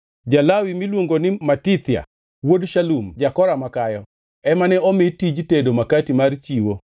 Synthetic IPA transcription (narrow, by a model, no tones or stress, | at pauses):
d͡ʒalawimilwoŋɡonɪmatit̪ja̰ | wodʃalumd͡ʒakɔɾamakajɔ | ɛmanɛɔmɪtid͡ʒtedomakatimart͡ʃiwo